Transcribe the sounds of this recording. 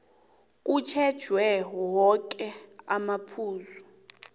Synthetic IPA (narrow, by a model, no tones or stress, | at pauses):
k̬ʼut͡ʃʰɛd̥ʒ̥ʱwɛwɔk̬ʼɛamapʰuːzu